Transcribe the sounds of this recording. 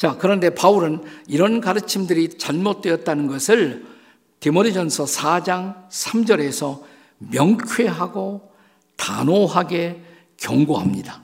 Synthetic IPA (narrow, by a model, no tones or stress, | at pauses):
t͡ɕakɯɾʌnde̞pauɾɯniɾʌnkaɾɯt͡ɕʰimdɯɾit͡ɕʌɭmot̚t͈we̞ʌt̚t͈anɯnɡʌsʰɯɭ | timodid͡ʑʌnsʰʌsʰad͡ʑaŋsʰamd͡ʑʌɾe̞sʰʌ | mjʌŋkʰweɦaɡo | ta̰noɦaɡe̞ | kjʌŋɡoɦamɲida